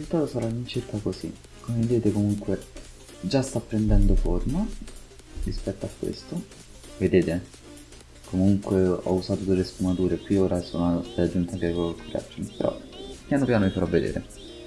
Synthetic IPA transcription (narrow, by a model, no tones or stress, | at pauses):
riziult̪aːt̪osaɾaint͡ʃirkakosi | kʰomeved̪eːt̪ekomuŋkwe | d͡ʒast̪apːɾend̪ɛnd̪oforma | rispɛt̪ːoakːwḛst̪o | ved̪eːt̪e | kʰomuŋkweɔ̰usaːt̪od̪elːespumat̪uːɾekwioːɾaso̰ːnad̪ead͡ʒːunt̪akekokuɾa̰t͡ʃːonipeɾɔ̰pːjaːnopjaːnomifaɾɔvːed̪ḛːɾḛ